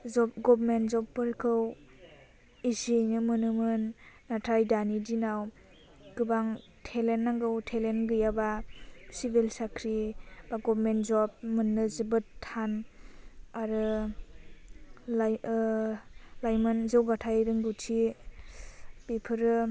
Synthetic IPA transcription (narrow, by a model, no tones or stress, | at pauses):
zɔpɡɔbmentzɔpːɯɾkʰɯw | isinɯmɯnɯmɯnː | atʰajdanidinaw | ɡ̥ɯbaŋ | tʰelenːaŋɡɯwtʰelenɡɯjabasibilsakʰɾib̥aɡɔbɾmentzɔb̚mɯnːɯzɯbɯtʰːan | aɾɯ | lajmɯnzɯwɡatʰajɾɯŋɡutʰi | b̥ipʰɯɾɯ